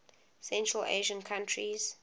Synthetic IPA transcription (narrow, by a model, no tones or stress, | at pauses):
sɛ̃ntʰɹəlḛʒə̃nkʰãntʰɹiz̥